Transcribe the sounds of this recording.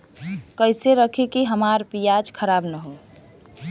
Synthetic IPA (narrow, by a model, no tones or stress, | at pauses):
kəɪseɾəkʰikiɦəmaɾpijad͡ʒkʰəɾabnəɦo